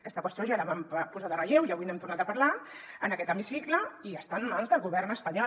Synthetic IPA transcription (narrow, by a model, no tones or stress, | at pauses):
kɛst̪əkwəst̪joʒaləβamapuzaðərəʎewiəβujnɛmt̪urnat̪əpaɾla | ənəkɛt̪əmisikləiəst̪anmanzðəlˠɣuβɛrnəspəɲɔ